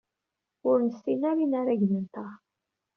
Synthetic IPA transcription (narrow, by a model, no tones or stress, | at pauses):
ʊɾnəsːinæɾinaɾaʝnənt̪a